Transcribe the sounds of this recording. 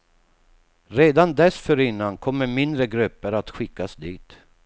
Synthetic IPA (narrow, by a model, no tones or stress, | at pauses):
ɾeːd̪and̪ɛsfœɾɪnːankʰɔmːəɾmɪnd̪ɾəɡɾɵpːəɾat̪ɧɪkːasd̪iːt̪